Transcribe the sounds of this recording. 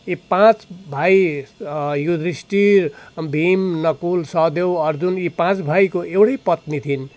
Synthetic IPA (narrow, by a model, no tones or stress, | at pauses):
ipãt͡sbʱaj | jud̪risʈirbʱimnʌkulsʌd̪ewʌrd͡zunipãt͡sbʱajkoewɽʌjpʌt̪nit̪ʰin